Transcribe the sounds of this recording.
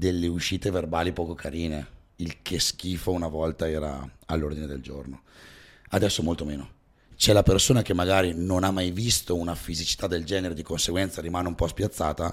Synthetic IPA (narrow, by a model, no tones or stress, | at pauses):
d̪elːeuʃːiːt̪everbaːlipɔːkokʰaɾiːne | ilkʰesk̟iːfounavɔlt̪aɛːɾa̰a̰lːord̪ined̪eld͡ʒo̰rno | ad̪ɛsːomolt̪omeːno | t͡ʃɛlapersoːnak̟emːaɡaːɾinonamːajvist̪ounafizit͡ʃi̥t̪ad̪ːeld͡ʒɛːneɾed̪ikonseɡwɛnt̪saɾimaːneumpɔspjat̪sːaːt̪a